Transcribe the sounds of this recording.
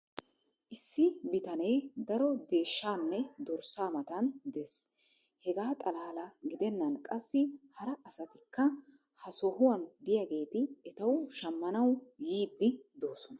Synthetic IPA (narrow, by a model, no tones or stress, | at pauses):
ʔɪsːɪbɪt̪ɐnejd̪ɐɾɔd̪e̞ːʃːaːnːɛd̪ɔɾsaːmɐt̪ɐnd̪es | hɛɡaːt̪ʼɐlaːlɐɡɪd̪ɛnːɐnkʼɐsːɪhɐɾɐʔɐsɐt̪ɪkːɐ | hɐsɔhʊwɐnd̪ɪjaɡe̞ːt̪ɪɛt̪ɐwʃɐmːɐnɐwjiːd̪ːɪd̪o̞ːsɔnɐ